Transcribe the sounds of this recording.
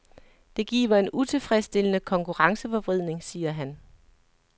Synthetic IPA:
d̥e̝ɡ̥ḭːʋɐe̝nut͡sʰe̝lfʁɛsd̥e̝lənəkʰɒ̽ŋkʰuʁɑ̈ŋsəfɒ̽b̥ʁið̞̰ˠne̝ŋsiːɐɦæn

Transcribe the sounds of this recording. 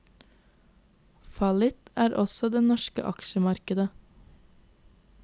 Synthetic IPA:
fɑlɪt̪æːɾʔɔsɔd̪eːnɔʃkə̰ʔɑkʃəmɑɾkəd̪ə

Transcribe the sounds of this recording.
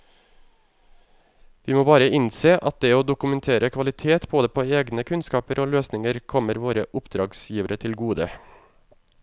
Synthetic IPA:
ʋiːmoːbɑːɾəɪnseːʔɑt̪̚d̪ɛːoːd̪ʊkʉmɛnt̪ʰeːɾʔəkʰʋɑlɪt̪ʰeːt̪boːd̪əpʰoːeːɡnəkʰʉnskɑːpəɾʔoːløːsnɪŋəɾkʰɔməɾʋoːɾəʔʊpd̪ɾɑːɡsjiːʋəɾət̪ʰɪlɡuːd̪ə̰

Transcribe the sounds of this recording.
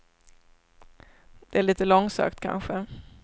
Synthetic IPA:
d̪̥ɛæɭiːt̪əlɔŋsœ̰ːkt̪kʰa̰nɧə

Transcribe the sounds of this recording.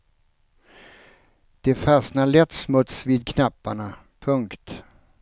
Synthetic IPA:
d̪̥ɛfasnalɛt̪ːsmɵt̪sviːd̪̚kʰnapːaɳa | pʰɵŋkt̪

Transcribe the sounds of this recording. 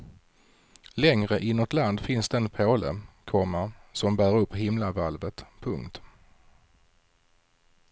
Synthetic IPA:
lɛŋɾəʔɪnɔt̪land̪fɪnsd̪ɛɛnpʰoːlə̰kʰɔmːəɾsɔmbæːɾɵpːɦɪmlavalvət̪pʰɵŋkt̪

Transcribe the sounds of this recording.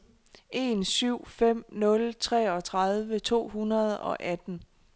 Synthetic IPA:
ʔe̝nsyʊ̰fem̰nɔ̽lt͡sʰʁɛ̰ːɒ̽t͡sʰʁɑðˠʋət͡sʰo̝̰ːhunɐð̞ˠɒ̽ʔæd̥n̩

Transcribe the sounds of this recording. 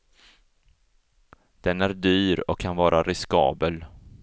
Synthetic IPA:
d̪̥ɛnæɾɖ̪yːɾɔkʰːanvɑːɾʔaɾʔɪskɑ̰ːbəl

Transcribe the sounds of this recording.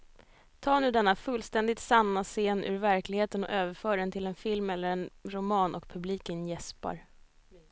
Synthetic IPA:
t̪ʰɑːɳʉ̟ːd̪ɛnːafɵlːst̪ɛnd̪ɪt̪sanːaseːnʔʉ̰ɾvæɾklɪɡheːt̪ənɔ̰ʔøːvəɾfœːɖɛnt̪ʰɪlɛnfɪlmɛlːəɾɛnɾʊmɑːnʔɔ̰kpʰɵbliːkənjɛspa̰ɾ

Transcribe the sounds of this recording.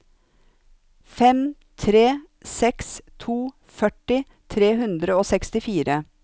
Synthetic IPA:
fɛm | t̪ʰɾeː | sɛkst̪ʰuː | fœʈɪ | t̪ʰɾeːɦʉnd̪ɾəoːsɛkst̪ɪfiːɾə

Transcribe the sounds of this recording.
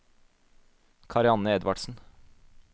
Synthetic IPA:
kʰɑɾɪɑnəɛd̪ʋɑ̰ɖsn̩

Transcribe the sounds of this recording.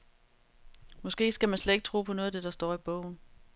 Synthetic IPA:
mɒ̽sɡ̥e̝̰ːsɡ̥æmænsled̥eɡ̥̚t͡sʰʁṵːpʰɒ̽nɔ̽ːð̞ˠd̥e̝d̥ɑ̈sd̥ɒ̰ːib̥ɔ̰ʊ̰n̩

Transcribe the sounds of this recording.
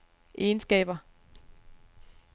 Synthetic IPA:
ʔensɡ̥ɛ̰ːb̥ɐ

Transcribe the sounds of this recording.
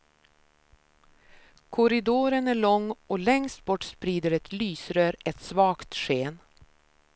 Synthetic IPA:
kʰʊɾɪd̪oːɾənæɭɔŋːɔlɛŋst̪̚bɔʈspɾiːd̪əɾɛt̪lyːsɾøːɾɛt̪svɑːkt̪ʂeːn

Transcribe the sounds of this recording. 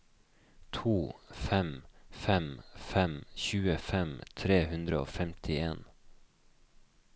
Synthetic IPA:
t̪ʰuːfɛmfɛmfɛmçʉːəfɛmt̪ʰɾeːhʉnd̪ɾəo̰ːfɛmt̪ʰɪeːn

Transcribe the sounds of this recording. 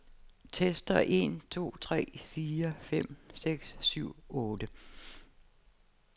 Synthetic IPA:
t͡sʰesd̥ɐʔe̝̰nt͡sʰo̝̰ːt͡sʰʁɛ̰ːfiːɐfem̰seɡ̥sːyʊ̰ɔːd̥ə

